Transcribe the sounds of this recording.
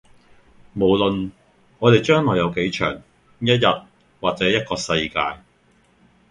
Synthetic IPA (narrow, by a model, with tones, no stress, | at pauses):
mo˨˩wlɵ˨n | ŋɔː˨˧ɾe˨jt͡ʃœː˥ŋlɔː˨jɐ˨˧wke˨˥jt͡ʃʰœ̰ː˨˩ŋ | jɐ˥t̚jɐ˨t̚ | waː˨t̚t͡sɛː˨˥jɐ˥t̚kɔː˧sɐ˧jkaː˧j